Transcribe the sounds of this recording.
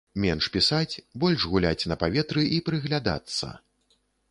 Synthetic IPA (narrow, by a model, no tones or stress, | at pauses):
mʲɛnʂpʲisat͡sʲbɔlʲʐɣulʲa̰t͡sʲnɐpavʲɛt̪ɾɨʔipɾɨɣlʲad̪a̰t̪sːɐ̰